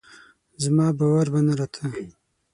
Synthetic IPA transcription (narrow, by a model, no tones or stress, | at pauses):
zmɑːbawaɾbanaɾat̪ʰə